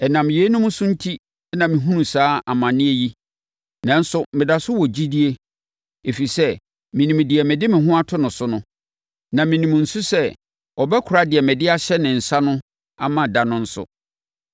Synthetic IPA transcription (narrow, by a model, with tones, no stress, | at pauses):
ɛ˨nã˨m˨je˨˦nʊ̃˦mʊ̃˦sʊ̃˦n̩˦tʰi˦ | ɛ˦nã˨mĩ˨ɦũ˦nũ˨saː˦a˨mã˨nɪ̃˦e˦ji˦ | nã˨n̩˦sʊ˦mɪ̃˨da˨sʊ˦wɔ˨d͡ʑi˦di˦e˦ | e˨fi˨sɛ˦ | mĩ˨nĩ˨m˨dɪ˨ɛ˨mɪ̃˨dɪ˦mɪ̃˨ɦʊ̃˦a˦tʰʊ˦nʊ̃˨sʊ˦nʊ̃˦ | nã˨mĩ˨nĩ˨m˨n̩˨sʊ˦sɛ˦ | ɔ˨bɛ˦kʰʊ˨ɾa˦dɪ˨ɛ˨mɛ̃˨dɪ˦a˦ɕɛ˦nɪ̃˨n̩˨sa˦nʊ̃˦ | a˨mã˨da˨nʊ̃˦n̩˦sʊ̰˨